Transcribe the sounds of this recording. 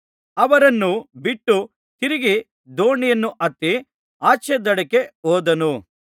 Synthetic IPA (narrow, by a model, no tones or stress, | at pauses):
ɐʋɐɾɐnːubiʈːu | t̪iɾiɡi | d̪oːɳijɐnːuʔɐt̪ːi | aːt͡ʃɛd̪ɐɽɐke̞oːd̪ɐnu